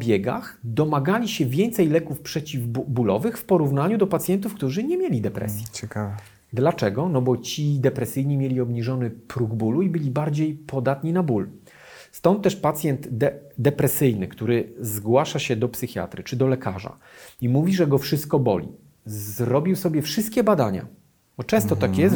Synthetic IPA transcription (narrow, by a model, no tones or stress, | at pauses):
bʲjɛɡa̰xd̪ɔmaɡalʲiɕɛvʲjɛnt̪sɛjlɛkufpʂɛt͡ɕivbulɔ̰vɘxfpɔɾuvnaɲud̪ɔpat̪sʲjɛnt̪ufkt̪uʐɘɲɛmʲjelʲid̪ɛpɾɛ̰sʲjit͡ɕɛkavɛ | d̪lat͡ʂɛɡɔnɔbɔt͡ɕid̪ɛpɾɛsɘjɲimʲjelʲiɔbɲiʐɔnɘpɾuɡbuluibɘlʲibaɾd͡ʑejpʰɔd̪at̪ɲinabul | st̪ɔnt̪̚ːɛʂpat̪sʲjɛnt̪ɛd̪ɛpɾɛsɘjnɘkt̪uɾɘzɡwaʂaɕɛd̪ɔpsɘxʲja̰t̪ɾɘt͡ʂɘd̪ɔlɛkʰaʐa̰ | imuvʲiʐɛɡɔfʂɘst̪̚kɔbɔ̰lʲḭ | zɾɔbʲiwsɔbʲjɛfʂɘst̪̚kʲɛbad̪aɲa̰ | bɔt͡ʂɛ̃st̪ɔt̪akjɛs